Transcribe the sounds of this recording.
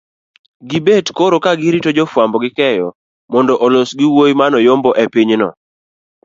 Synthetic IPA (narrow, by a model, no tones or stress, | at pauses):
ɡibetkoɾokaɡɪɾitod͡ʒɔfwambɔɡɪkɛjɔ̰ | mɔndɔʔɔlosɡɪwojmanɔjombɔʔɛpiɲnɔ